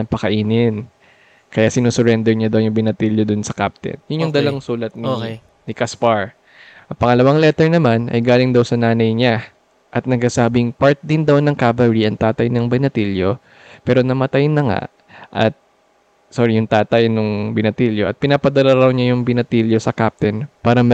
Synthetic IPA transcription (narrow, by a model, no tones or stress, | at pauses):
ɐŋpɐkɐʔiːnɪn | kɐjaːsɪnuːsʊɾɛnd̪ɛɹɲad̪ɐwjʊŋbɪnɐt̪iljod̪ʊnsɐkap̚t̪ɛ̰njʊnjʊŋd̪ɐlaŋsuːlɐt̪̚nik | nɪkɐspaɹ | ʔɐŋpɐŋɐlɐwaŋlɛt̪ɛɹnɐmanʔɐ̰jɡaːlɪŋd̪ɐwsɐnaːnɐjɲa | ʔɐt̪̚nɐɡ̚sasaːbɪŋpaɹt̪̚d̪ɪnd̪awnɐŋkabɐɹiʔɐŋt̪aːt̪ɐjnɐŋbɪnɐt̪iljo | pɛːɾo̞nɐmɐt̪ajnɐŋa̰ʔ | ʔɐ̰t̪̚ | soɾijʊŋt̪aːt̪ɐjnʊŋbɪnɐt̪iljoʔɐt̪̚pɪnaːpɐd̪ɐlaɾɐwɲajʊŋbɪnɐt̪iljosɐkap̚t̪ɛnpaːɾɐm